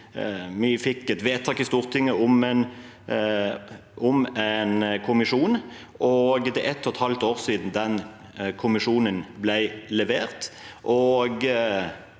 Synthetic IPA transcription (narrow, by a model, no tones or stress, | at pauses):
mɪfɪkːɛt̪ʋeːt̪ʰɑːkɪst̪uːʁt̪ʰɪŋːəʊmɛn | ʔʊmænkʰʊmɪʂuːn | ʔɔɡt̪ɪʔɛt̪ːɔt̪hɑlt̪oːʁsiːd̪n̩d̪ɛn | kʰʊmɪʂuːnənblæɪlɛʋeːʁt̪ʔɔɡ